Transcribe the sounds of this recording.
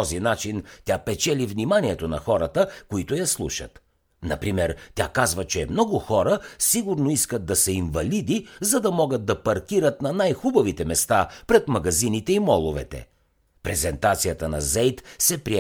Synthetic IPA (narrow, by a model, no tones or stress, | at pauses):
ɔzinat͡ʃint̪ʲapɛt͡ʃɛlivnimaniɛt̪onɐxɔɾət̪əkoit̪ʊjɐslˠṵʃə̰t̪ | nɐ̰pɾimɛɾt̪ʲakazvət͡ʃɛmnɔɡʊxɔɾəsiɡʊɾnoiskəd̪̚d̪ɐsɛinvɐlid̪izɐd̪ɐmɔɡəd̪̚d̪ɐpɐɾkʲiɾət̪nɐnajxubɐvit̪ɛmɛst̪apɾɛt̪mɐɡɐzinit̪ɛimɔlˠʊvɛ̰t̪ɛ̰ | pɾɛzɛnt̪at̪sijət̪ənɐzɛjt̪sɛpɾiɛ